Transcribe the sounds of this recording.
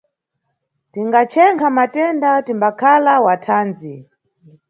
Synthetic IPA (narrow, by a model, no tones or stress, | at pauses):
tiŋɡat͡ʃʰɛŋkʰamatɛndatimbakʰalawatʰaːnd͡zi